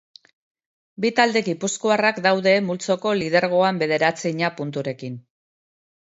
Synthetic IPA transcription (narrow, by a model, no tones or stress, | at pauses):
bit̪ald̪e̞ɣipuskuarakd̪awðe̞mult͡so̞ko̞lið̞e̞ɾɣ̞o̞ambe̞ð̞e̞ɾat͡siɲapunt̪uɾe̞kin